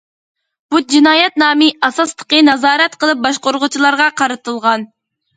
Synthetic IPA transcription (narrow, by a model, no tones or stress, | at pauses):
b̥ud͡ʒinɑːjɛt̪̚nɑːmiʔɑsɑslˠə̥qənɑzɑːɾɛt̪qəlˠɨp̚bɑʃqoɾʁʊt͡ʃʰilˠɑɾʁɑqʰɑɾɨt̪ɨlˠʁɑn